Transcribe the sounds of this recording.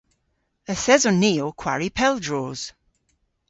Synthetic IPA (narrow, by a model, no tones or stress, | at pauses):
əθɛzɔniːokʰw̥a̰ɹipʰɛlˠdɹoːz̥